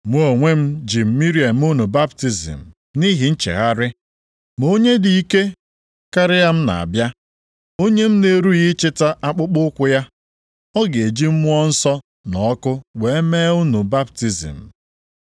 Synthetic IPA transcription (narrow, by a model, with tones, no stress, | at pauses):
mʷ˦o˨ŋʷe˦m̩˦d͡ʒi˨m̩˦mi˦ɾi˨a˨m̩˦u˦nu˨ba˦bti˨zḭ˨m̩˨ | ni˦ɦi˨n̩˦t͡ʃḛ˨ɣa˦ɾɪ˦ | m˨o˦ɲe˦di˨i˦ke˦ | ka˦ɾɪ˦ja˦m̩˦na̰˨a̰˨bja˦ | o˦ɲe˦m̩˦ne˨ɾu˦ɣi˦t͡ʃɪ˦ta˦ʔa˦k͡pʊ˦k͡pʊ˦kʷʊ˦ja˦ | ɔ˦ɡe˨e˨d͡ʒi˦m̩˦mʊ˦ɔ˦n̩˦sɔ˦ | nɔ˨˦kʊ˦we˨e˦meː˦u˦nu˨ba˦bti˨zḭ˨m̩˨